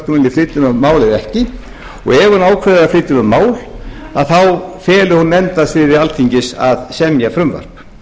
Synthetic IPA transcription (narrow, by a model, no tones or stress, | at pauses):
k̪ʏmɪnɪflɪːt̪ʏmœmaːwlɪðɛhcɪ | ɔ̰ɣɛvanaːwkʰvɛɾðɪɣaflɪːt̪ʏmœmːaːwl | aðθawfɛːlʏhunːɛnt̪asvɪðɪɾalt̪ʰiɲcɪsa̰ðsɛmjafɾʏmva̰ɾ̥p